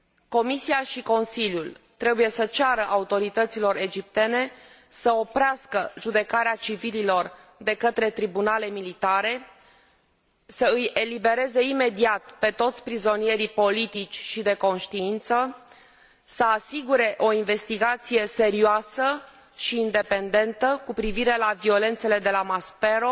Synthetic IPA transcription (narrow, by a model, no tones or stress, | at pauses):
ko̞misiaʃiko̞nsiljult̪ɾe̞buje̞sət͡ʃaɾəʔaut̪o̞ɾit̪ət̪silo̞ɾe̞d͡ʒip̚t̪e̞ne̞ | səopɾeaskəʒud̪e̞kaɾeat͡ʃivililo̞rd̪e̞kət̪ɾe̞t̪ɾibunale̞milit̪aɾe̞ | səɨje̞libe̞ɾe̞ze̞ime̞d̪iat̪̚pe̞t̪o̞t̪sʲpɾizo̞nije̞ɾipo̞lit̪it͡ʃʲʃid̪e̞ko̞nʃt̪iint̪sə | səasiɡuɾe̞ʔo̞inve̞st̪iɡat̪sije̞se̞ɾioasə | ʃiːnd̪e̞pe̞nd̪e̞nt̪əkupɾiviɾe̞lavio̞le̞nt̪se̞le̞d̪e̞lamaspe̞ɾo